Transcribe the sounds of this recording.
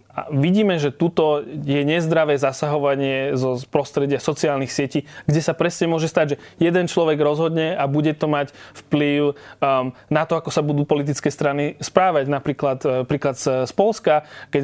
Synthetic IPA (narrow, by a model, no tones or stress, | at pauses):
a̰ʋiɟiːmɛʒɛt̪ut̪ɔjɛɲɛzd̪ɾaʋɛːzasaɦɔʋaɲɪɛzɔpɾɔst̪ɾɛɟɪasɔt͡siaːlnixsɪɛciːɡɟɛsapɾɛsɲɛmʊɔʒɛst̪aɟʒɛjɛd̪ɛnt͡ʃlɔʋɛɡɾɔzɦɔd̪ɲɛabuɟɛt̪ɔmacfpliʊ | nat̪ɔakɔsabud̪uːpɔlit̪̬it͡skɛːst̪ɾanispɾaːʋaɟnapɾiːklat̪pɾiːklat̪sspɔlskakɛ